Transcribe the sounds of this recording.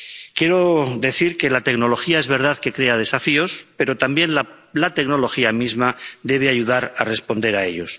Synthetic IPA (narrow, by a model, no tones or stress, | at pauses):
kje̞ɾo̞ðe̞θiɾke̞lat̪e̞kno̞lo̞xiae̞zβe̞ɾð̞aðke̞kɾe̞að̞e̞safio̞spe̞ɾo̞t̪ambje̞nlalat̪e̞kno̞lo̞xiamizmad̪e̞β̞eaʝuð̞aɾare̞spo̞nd̪e̞ɾae̞ʎo̞s